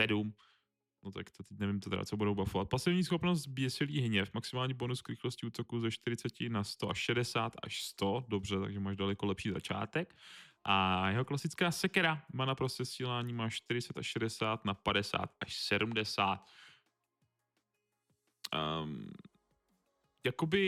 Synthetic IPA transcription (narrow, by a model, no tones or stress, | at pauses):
sɛdum | not̪a̰kt̪ot̪ɛc̚nɛvɪmt̪t̪ɛɾa̰t͡sobudowbafovat̪̚pasɛvɲiːsxo̞pnos̬t̪bjɛsɪliːɦɲɛfmaksɪmaːlɲɛbo̞nuskɾɪxlo̞scɪuːt̪o̞kuːzɛʃt̪ɪɾɪt͡sɛcɪnast̪oʔaʃʃɛdɛsaːt̪a̰ʃst̪o̞dobr̝ɛt̪a̰ɡʒɛmaːʒdalɛkolɛpʃiːza̰t͡ʃa̰ːt̪ɛkʔajɛɦoklasɪt͡skaːsɛkɛɾamaːnapɾoscɛsiːlaːɲiːmaːʃt̪ɪɾɪt͡sɛt̪aʃʃɛdɛsaːt̪napadɛsa̰ːt̪ʔaʃsɛdumdɛsaːt̪ | jakobɪ